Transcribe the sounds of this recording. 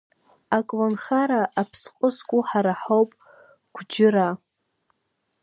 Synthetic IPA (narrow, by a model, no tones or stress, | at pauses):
akʼlonχaɾaʔapʰsqʼəskʷʼuħaɾaħowpʼ | ɡ̥ʷd͡ʒɪɾa